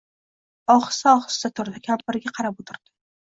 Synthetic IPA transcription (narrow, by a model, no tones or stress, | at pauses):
ɒχɨ̥saɒχɨ̥st̪at̪ʰʊɾd̪ɪkʲʰampɪɾɪɡʲaqʰɑɾapot̪ʰɪɾd̪̥ɪ̥